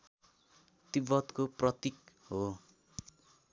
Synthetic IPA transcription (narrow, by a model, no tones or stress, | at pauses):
t̪ibʌt̪koprʌt̪ik̚ɦo